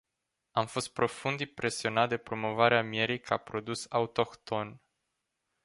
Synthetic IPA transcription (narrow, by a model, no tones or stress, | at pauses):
amfo̞st̪̚pɾo̞fund̪impɾʔe̞sio̞nat̪̚d̪e̞pɾo̞mo̞vaɾeamje̞ɾikʰapɾo̞d̪usaut̪o̞kt̪o̞n